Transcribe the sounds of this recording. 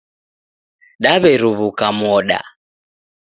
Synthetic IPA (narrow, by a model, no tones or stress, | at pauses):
ɗaβɛɾuβukamɔɗa̰